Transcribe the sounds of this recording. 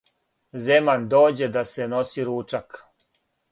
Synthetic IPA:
zemand̪o̞ːd͡ʑe̞d̪ase̞no̞siɾuːt͡ʂak

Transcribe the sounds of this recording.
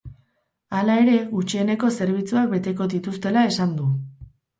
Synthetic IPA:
alae̞ɾe̞ɣut͡ʃiene̞ko̞se̞ɾβ̞it͡suak̚be̞t̪e̞ko̞ðit̪ust̪e̞lae̞sand̪u

